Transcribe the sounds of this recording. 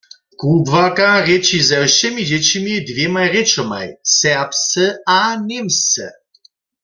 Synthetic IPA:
kubvakaʁet͡ʃizɛwʃɛmid͡ʑɛt͡ɕimid̪vjemajʁet͡ʃɔma̰jsɛʁpsɛanemsɛ̰

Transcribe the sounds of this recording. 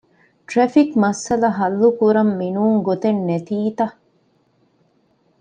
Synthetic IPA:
ʈɾefikmɐsːɐlɐɦɐlːukuɾɐmːinuːŋɡot̪enːet̪iːt̪ɐ

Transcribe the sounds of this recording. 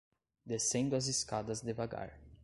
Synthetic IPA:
d̪esẽnd̪ʊɐziskad̪ɐzd̪ɪvaɡa̰ɾ

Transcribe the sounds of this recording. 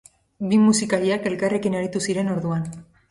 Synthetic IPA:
bimusikaɾiake̞lkare̞kineɾit̪usiɾe̞no̞ɾðuan

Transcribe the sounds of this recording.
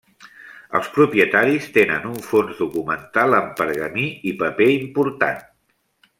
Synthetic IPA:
ə̰lˠspɾupiət̪aɾist̪enə̰nuɱfonzðukumənt̪alˠəmpəɾɣəmiipəpeimpuɾt̪a̰n

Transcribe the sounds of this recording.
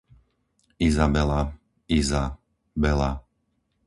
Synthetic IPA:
izabɛla | iza | bɛla̰

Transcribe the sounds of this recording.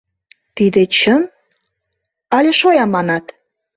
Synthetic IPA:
t̪id̪et͡ɕən | ɑlʲeʃojɑmɑnɑt̪

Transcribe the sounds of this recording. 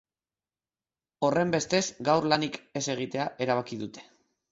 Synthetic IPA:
o̞re̞mbe̞st̪e̞zɡawɾlanike̞se̞ɣ̞it̪e̞aʔe̞ɾaβ̞akiðut̪e̞̥

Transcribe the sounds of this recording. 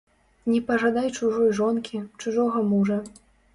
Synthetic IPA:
nʲɛpɐʐad̪ajt͡ʂuʐɔjʐɔnkʲit͡ʂuʐɔɣɐmuʐɐ

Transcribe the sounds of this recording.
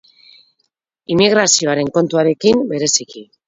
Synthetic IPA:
imiɣ̞ɾasio̞aɾe̞ŋko̞nt̪uaɾe̞kimbe̞ɾe̞siki

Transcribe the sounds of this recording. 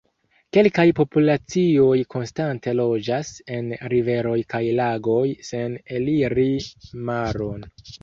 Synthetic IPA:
ke̞lkajpo̞pulat͡sio̞jkʰo̞nstante̞lo̞d͡ʒase̞nɾive̞ɾo̞jkajlaɡo̞jse̞neliɾimaɾo̞n

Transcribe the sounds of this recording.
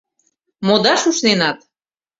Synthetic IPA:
mod̪ɑʃuʃnenɑt̪

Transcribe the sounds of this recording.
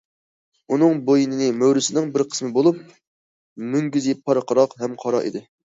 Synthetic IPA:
unɨŋbojinɪnɪmøwɾɪsɪnɪŋbɪɾqʰə̥smɨbolˠup̚ | myŋɡʲyzipʰːɑɾqəɾɑqɦɛmqʰɑɾɑ̰ʔḭd̪ɪ

